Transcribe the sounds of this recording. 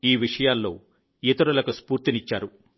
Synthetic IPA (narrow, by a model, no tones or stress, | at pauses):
iːʋiʂɐjaːlːo̞̰ː | jet̪uɾɐlɐkuspuːɾt̪init͡ʃːaːɾu